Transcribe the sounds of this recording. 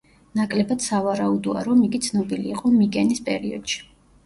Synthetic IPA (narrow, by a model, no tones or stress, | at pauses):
nakʼlɛbad̪̥savaɾaud̪ɔa̰ɾɔmikʼit̪sʰnɔbiliːqʼɔmikʼɛnispʼɛ̰ɾiɔ̰d̪̥ʃi̥